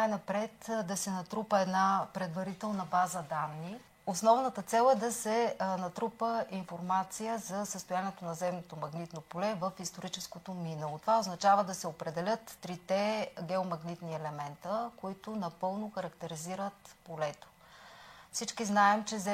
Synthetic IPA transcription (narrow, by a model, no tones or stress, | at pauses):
najnɐpɾɛt̪d̪ɐsɛnɐt̪ɾupəɛd̪napɾɛd̪vɐɾit̪ɛlˠnəbazəd̪anːi | osnɔvnət̪ət̪sɛlˠɛd̪ɐsɛnɐt̪ɾupəʔinfoɾmat̪sijəzɐsəst̪oʊjaniɛt̪onɐzɛmnot̪omɐɡnit̪nopolɛvəfist̪oɾit͡ʃɛskot̪ominəlˠot̪ovaoznɐt͡ʃavəd̪ɐsɛopɾɛd̪ɛlʲət̪ːɾit̪ɛɡʲɛomɐɡnit̪niɛlɛmɛnt̪əkoit̪onɐpɤlˠnoxɐɾɐkt̪ɛɾiziɾət̪polɛt̪o̥ | fsit͡ʃkiznaɛmt͡ʃɛzɛ